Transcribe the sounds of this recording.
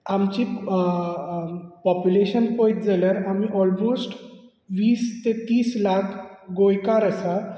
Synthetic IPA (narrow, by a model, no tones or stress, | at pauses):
amt͡ɕiː | pɔpjuleɕənpojt̪d͡zaljaɾamiʔɔlmosʈ | ʋiːst̪et̪iːslakʰɡojkaɾəsa